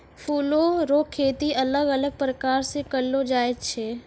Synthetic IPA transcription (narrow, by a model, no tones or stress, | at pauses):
pʰuːloɾoːkʰːeːt̪iʔɐləɡələɡ̚pɾəkaːɾsekəlːod͡ʒaːet̪t͡ʃʰeː